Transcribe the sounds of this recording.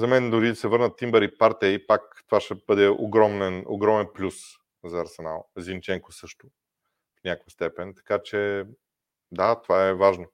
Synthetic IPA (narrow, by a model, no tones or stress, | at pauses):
zɐmɛnd̪oɾid̪ɐsɛvɤɾnət̪ːimbɛɾipaɾt̪ɛipakt̪ovaʃɛbɤd̪ɛo̰ɡɾɔmnɛno̰ɡɾɔmɛnplʲus | zɐːɾsɛna̰lˠzʲint͡ʃɛŋkosɤʃt̪ʊ | fnʲakvɐst̪ɛpɛnt̪ɐ̥kat͡ʃɛ | d̪at̪ovaɛvaʒno